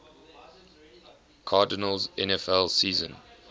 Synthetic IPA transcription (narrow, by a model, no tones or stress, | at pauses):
kʰaːdɪnəlzʔɛ̃nɛfɛlˠsiːzə̰̃n